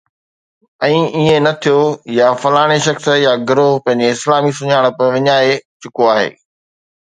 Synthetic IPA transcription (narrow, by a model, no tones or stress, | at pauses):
ɛ̃ːʔiɦẽnɐt̪ʰijojafɐlaːɽ̃eʃɐxsjaɡɪɾopɐ̃ɦɪ̃ɲd͡ʑeɪslaːmisʊɲaːɽ̃pɐʋɪɲaːet͡ɕʊkoaːɦḛː